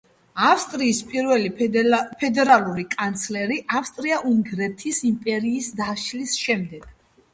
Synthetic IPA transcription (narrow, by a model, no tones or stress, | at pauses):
afst̪ʼɾiːspʼiɾvɛlipʰɛd̪ɛɾalˠuɾikʼant̪sʰlɛɾiʔafst̪ʼɾiaʔuŋɡɾɛt̪ʰisimpʼɛɾiːsd̪aʃlisʃɛmd̪ɛɡ̥